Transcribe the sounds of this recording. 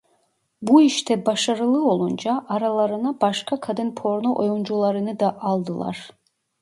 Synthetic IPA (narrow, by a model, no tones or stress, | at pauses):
buiʃt̪ʰɛbaʃaɾɯlˠɯo̞lˠund͡ʒaʔːɾalˠaɾɯnabaʃkʰakʰad̪ɯnpʰo̞ɾnoʔo̰jund͡ʒulˠaɾɯnɯd̪aʔɑlˠd̪ɯlˠa̰ɾ̥